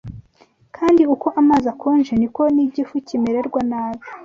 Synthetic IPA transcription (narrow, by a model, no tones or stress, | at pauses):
kʰaːndiuko̞ʔamaːzakuːnʒeniko̞niɟifucimeɾe̞ɾɡwanaːβi